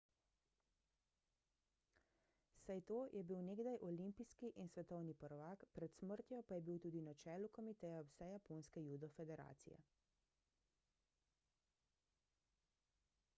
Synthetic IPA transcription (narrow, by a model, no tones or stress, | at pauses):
sajt̪oːjʔɛbiwneːɡd̪ajʔɔlimpiskiʔinsʋɛt̪ɔwnipɔɾɔʋaːkpɾɛt̪sməɾt̪jɔpajɛbiwt̪uːd̪inat͡ʃɛːlukɔmit̪ɛjaɔsɛjaponskɛjuːd̪ɔfɛd̪ɛɾa̰ːt̪sḭjɛ̰